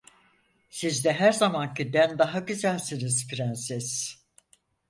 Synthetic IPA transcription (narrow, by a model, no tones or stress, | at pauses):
sizd̪ɛɦæɾzamancid̪ænd̪aɦaɡyzælʲsinizpiɾænsɛz̥